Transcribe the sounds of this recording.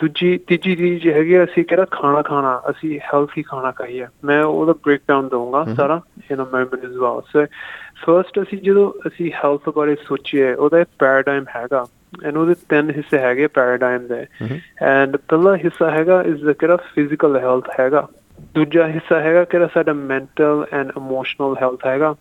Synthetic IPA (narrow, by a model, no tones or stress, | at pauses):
d̪uːd͡ʒiːt̪ɪd͡ʒiːɾiːd͡ʒɦɛːɡeɛːəsĩːkeːɾaːkʰaːnaːkʰaːnaːʔəsĩːhɛːlt̪ʰɦiːkʰaːnaːkəɦiːɛːmɛ̃ːo̰ːd̪aːbɾeːk̚ɖaːʊnd̪eũːŋɡaːsaːɾaːjanãːmɛːmənɪzʋaːlsopʰəɾsʈəsĩːd͡ʒəd̪õːəsĩːhɛːlt̪ʰbaːɾeːsoːt͡ʃeːʔoːd̪aːekpɛːɾəɖaːɪmɦɛːɡaː | ɛ̃ːɳoːd̪eːt̪ɪnɦɪsːeːɦɛːɡeɛːpɛːɾəːɖaːɪmd̪eːɛ̃ːɳpɛlːaːɦɪsːaːɦɛːɡaːʔɪsd̪aːkeɾaːpʰɪzɪkəlɦɛlt̪ʰhɛːɡaː | d̪uːd͡ʒaːɦɪsːaːɦɛːɡaːkɪɾaːsaːɖaːmɛ̃ːɳʈəlɛ̃ːɳɖɪmoːʃnəlɦɛlt̪ʰɦɛːɡaː